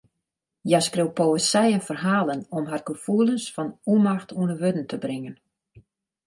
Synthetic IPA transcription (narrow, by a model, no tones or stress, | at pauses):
jaskrewpoəsɛjənfərɦaːlˠənɔmɦarɡəfuəlˠənsfɔnumaxtʰuənəʋødn̩tʰəbrɪŋən